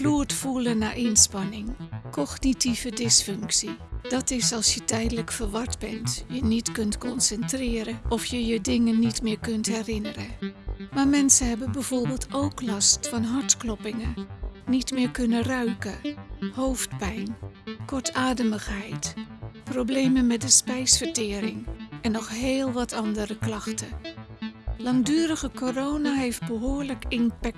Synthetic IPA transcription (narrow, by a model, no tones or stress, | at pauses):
fluːɹtfulənːaːɹʔɪnspɑnɪŋkʰɔχnitivədɪsfɵŋksid̥ɑtɪsɑlˠsjətɛjdələkfəɹʋɑɹdbɛntjənitkɵntkɔnsɛntrɪːɾəɔfjəjədɪŋənːitmɪːɹkɵntɦɛrɪnərəmaːɹmɛnsənɦɛbənbɛjv̥oːɹbɪːlˠtowklɑstfɑnɦɑɹtklɔpɪŋənitmɪːɹkɵnərœɥkəhowftpɛjnkɔɹtʰaːdəməχɦɛjtprowblejmənmɛt̚dəspɛjsfəɹtɪːɾɪŋɛnːɔχɦeːlˠʋɑtʰɑndərəklɑxtə | lɑŋdyːɾəɣəkorownaɦejfd̚bəɦoːɹləkɪnpɛk̚